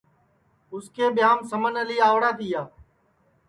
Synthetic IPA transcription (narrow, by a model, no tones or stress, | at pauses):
ʊskʰeːɓɪjaːmsəmənəliːaːʋɽaːt̪ʰiːjaː